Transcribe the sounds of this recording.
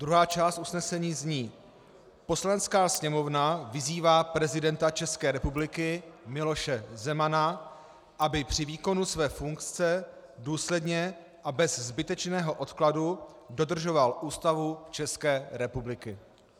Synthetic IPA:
d̪ɾuɦaːt͡ʃaːst̪ʔusnɛsɛɲiːzɲiː | po̞slanɛt͡skaːsɲɛmo̞vnavɪziːvaːpɾɛzɪdɛnt̪at͡ʃɛskɛːɾɛpublɪkɪmɪlo̞ʃɛzɛmana | ʔabɪpr̝̥ɪviːko̞nusvɛːfuŋkt͡sɛ | duːslɛdɲɛ | ʔabɛzzbɪt̪ɛt͡ʃnɛːɦo̞ʔo̞t̪kladudo̞d̪r̩ʒo̞valʔuːst̪avut͡ʃɛskɛːɾɛpublɪkɪ

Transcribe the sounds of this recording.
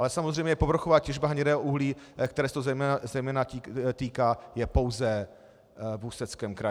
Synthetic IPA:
ʔalɛsamozrɛjmɲɛjɛpo̞vɾoxovaːcɛʒbaɦaɲɛdɛːɦoʔuɦliːkt̪ɛɾɛːsɛt̪ozɛjmɛazɛjmɛːnatit̪iːkaːjɛpo̞wzɛ | vusɛt͡skɛmkɾa

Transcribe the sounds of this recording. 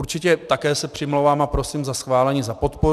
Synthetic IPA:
ɾt͡ʃɪcɛt̪akɛːsɛpr̝̥ɪmlowvaːmapɾo̞siːmzasxvaːlɛɲiːzapo̞t̪po

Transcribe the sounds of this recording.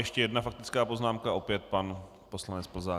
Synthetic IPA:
jɛʃcɛjɛdnafak̚t̪ɪt͡skaːpo̞znaːmkaʔo̞pjɛt̪̚pan | po̞slanɛt͡spl̩zaː

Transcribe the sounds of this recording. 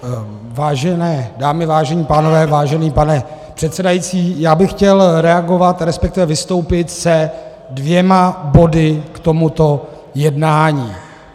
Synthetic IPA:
vaːʒɛnɛːdaːmɪvaːʒɛɲiːpaːno̞vɛːvaːʒɛniːpanɛpr̝̥ɛt̪sɛdajiːt͡siːjaːbɪxcɛlɾɛaɡo̞vat̪ɾɛspɛk̚t̪ɪvɛvɪst̪o̞wpɪt̪sɛ | dvjɛmabo̞dɪkt̪o̞mut̪o̞ | jɛdnaːɲiː

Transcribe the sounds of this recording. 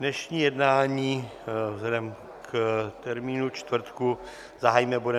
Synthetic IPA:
nɛʃɲiːjɛdnaːɲiːvzlɛdɛm | kt̪ɛɾmiːnut͡ʃt̪vɾ̩t̪ku | zaɦaːjimɛbudɛ

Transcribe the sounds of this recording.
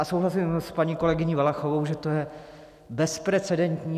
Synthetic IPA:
asowɦlasimspaɲiːko̞lɛɡɪɲiːvalaxovowʒɛt̪ojɛ | bɛspɾɛt͡sɛdɛnt̪ɲiː

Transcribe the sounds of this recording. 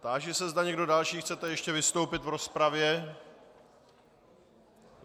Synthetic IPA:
t̪aːʒɛsɛzd̪aɲɛɡdo̞dalʃiːxt͡sɛt̪ɛjɛʃcɛvɪst̪owpɪt̪vɾo̞spɾavjɛ

